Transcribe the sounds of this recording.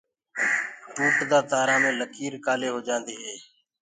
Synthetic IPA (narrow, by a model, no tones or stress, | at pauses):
ʈuːʈd̪aːt̪aːɾãːmẽːləkʰiːɾkaːleːɦoːd͡ʒãːnd̪iːɦeː